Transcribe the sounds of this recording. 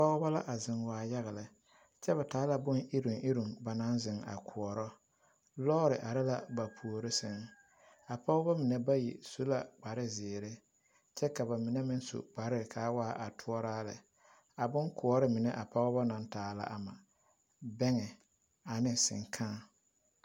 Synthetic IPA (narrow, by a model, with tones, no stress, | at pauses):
pɔ˦ɣɔ˦ba˦la̰˦ʔa˨zɪ˨ŋwaː˨ja˦ɣɛ˨lɪ˨ | t͡ʃɛ˦βa˨taː˨˦la˦bʊ˦nʔɪ˦ɾʊ˨ŋʔɪ˦ɾʊ˨ŋba˨na˦nzɪ˨ŋa̰˨kʰʊ˨ɔ˨ɾɔ˦ | lɔː˦ɾɪ˨ʔa˨ɾɪ˦la˦ba˨pʰu˨o˨ɾɪ˦sɪ˨ŋ | a˨pɔ˦ɣʊ˦ba˦mɪ˨nɛ˦ba˦jḭ˨su˦la˨k͡pa˨ɾɪ˦zɪː˨ɾe˦ | t͡ʃɛ˦ka˨ba˨mɪ˨ne˦mɪ˦n˦so̰˨k͡pa˨ɾɪ˦˨kʰaː˨˦waː˦ʔa˨tʰʊ˦ɔ˦ɾaː˦lɪ̰˨ | a˨bʊ˦ŋkʰʊ˨ɔ˦ɾɪ˦mɪ˨nɛ˦ʔa˨pɔ˦ɣɔ˦bɔ˦na˨ntaː˨˦la̰˦ʔa˨ma˨ | bɛ˦ŋɛ˨ | a˨nɪ˦sɪ̰˨ŋkʰãː˦˨